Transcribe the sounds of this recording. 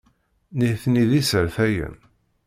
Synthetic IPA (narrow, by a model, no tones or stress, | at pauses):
niθniðisəɾθæjə̰n